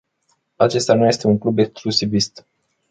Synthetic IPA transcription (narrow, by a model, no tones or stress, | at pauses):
at͡ʃe̞st̪anuje̞st̪euŋklube̞ksklusivist̪